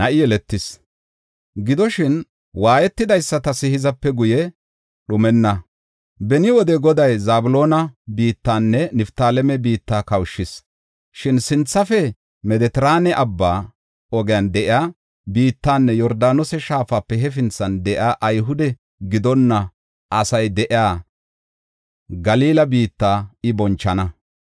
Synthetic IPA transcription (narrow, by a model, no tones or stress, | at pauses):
nɐʔɪjɛlɛt̪ːɪs | ɡɪd̪ɔʃɪn | waːjɛt̪ːɪd̪ɐjsːɐt̪ɐsɪhɪzɐpːɛɡʊjɛ | ɗʊmɛnːɐ | bɛnɪwɔd̪ɛɡɔd̪ɐjzaːbʊlo̞ːnɐbiːt̪ːaːnːɛnɪft̪aːlɛmɛbiːt̪ːaːkɐwʃːɪs | ʃɪnsɪnt͡sːɐfɛ | mɛd̪ɛt̪ɛɾaːnɛʔɐbːaː | ɔɡɪjand̪ɛʔɪaː | biːt̪ːaːnːɛjɔɾd̪aːnɔsɛʃaːfapːɛɦɛfɪnt͡sːɐnd̪ɛʔɪaːʔɐjɦʊd̪ɛ | ɡɪd̪ɔnːɐ | ʔɐsɐjd̪ɛʔɪaː | ɡɐliːlɐbiːt̪ːaːɪbɔnt͡ʃːɐnɐ